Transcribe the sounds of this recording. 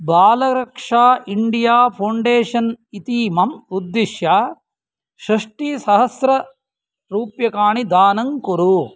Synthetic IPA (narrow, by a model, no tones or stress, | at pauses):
baːlɐɾɐkʂaːʔiɳɖijaːpʰɐwɳɖeːʂɐnit̪iːmɐmud̪ːiʃjaː | ʃɾɐʂʈiːsɐɦɐsɾɐ | ɾuːpjɐkaːɳid̪aːnɐŋkuɾu